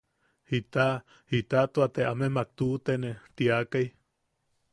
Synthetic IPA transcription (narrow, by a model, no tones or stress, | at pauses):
hit̪aʔ | hit̪at̪uat̪eʔamemak̚t̪uʔt̪enet̪iakaj